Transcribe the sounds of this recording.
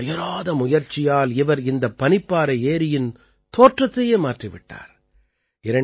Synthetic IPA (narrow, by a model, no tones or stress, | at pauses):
ɐjɐɾaːðɐmʊjɐɾt͡ʃːɪjaːlɪʋɐɾɪnd̪ɐpːɐnɪpːaːɾɐeːɾɪjɪn | t̪oːʈrɐt̪ːɐjeːmaːʈrɪʋɪ̰ʈːa̰ːɾ | ɪɾɐɳ